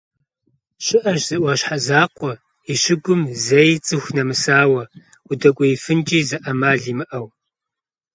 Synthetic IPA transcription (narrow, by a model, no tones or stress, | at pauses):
ʃɪʔɐʒz̥ɐʔʷɑɕħazaːqʷʼɔ | iɕɪɡʷʊmzɐjt͡sʼɨxʷnɐmɨsaːwɐ | ʊdɐkʷʼɔjfɨnt͡ʃʼiːzɐʔɐmaːɮiːmɨʔɐw